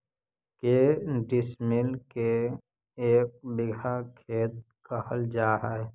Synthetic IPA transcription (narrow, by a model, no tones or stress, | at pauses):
keɖɪsmɪlke | eːk̚bɪɡʱakʰeːt̪̚ | kəhəld͡ʒaːɦɛɛ